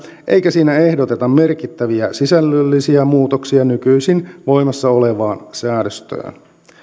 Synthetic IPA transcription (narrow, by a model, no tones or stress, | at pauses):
ʔe̞̰jkæsiːnæe̞hdot̪e̞t̪ɑmme̞rkit̪ːæʋiæsisælːølːisiæmuːt̪oksiɑnykyisinʋo̞jmɑsːɑoleʋɑːnsæːdøst̪ø̰ːn